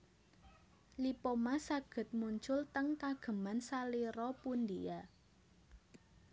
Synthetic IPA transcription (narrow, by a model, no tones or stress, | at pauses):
lipomasaɡ̥ə̤t̪̚muɲt͡ʃʊlt̪əŋkaɡ̥ə̤mansaliɾɔpund̪ija